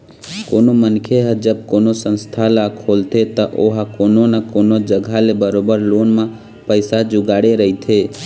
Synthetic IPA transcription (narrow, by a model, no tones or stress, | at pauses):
koːnomənkʰeɦəd͡ʒəb̚koːnosə̃nst̪ʰalakʰoːlt̪ʰet̪əʔoɦakoːnonakoːnod͡ʒəɡʱalebəɾoːbəɾloːnmã | pəɪsad͡ʒʊɡaːɽeɾəɦit̪ʰeː